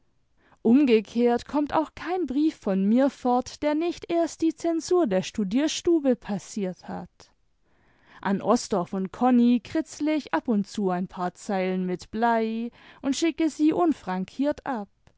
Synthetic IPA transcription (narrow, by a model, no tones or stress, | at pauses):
ʔʊmɡəkʰeːɐtkʰɔmta̰ʊxkʰaɪnbʁiːfːɔnmiːɐfɔɐtd̥eːɐnɪçtʔeːɐst̚d̥iːt͡sɛnzuːɐdeːɐʃtudiːɐʃtuːbəpʰasiːɐtha̰t | ʔanʔɔsd̥ɔfʊntkʰɔnikʁ̥ɪt͡slɪçʔapʊntt͡suːaɪnpʰaːɐt͡saɪlənmɪtb̥laɪʔʊntʃɪkəziːʔʊnfʁ̥aŋkʰiːɐtʔap̚